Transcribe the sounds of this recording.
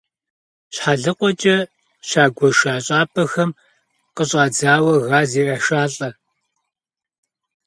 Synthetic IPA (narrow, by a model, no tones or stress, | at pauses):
ɕħaːɮɨqʷɔt͡ʃʼɐ | ɕaːɡʷɔʃaːɕʼaːpʰɐxɐm | qəɕʼaːd͡zaːwɐɣaːziːrɐʃaːɬʼɐ